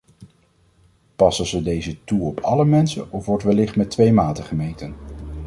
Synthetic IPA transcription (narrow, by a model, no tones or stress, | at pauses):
pɑsənzədejzətuɔpʰɑləmɛnsə̰nɔfʋɔɹtʋɛlɪχtmɛtʋejmaːtəχəmejtən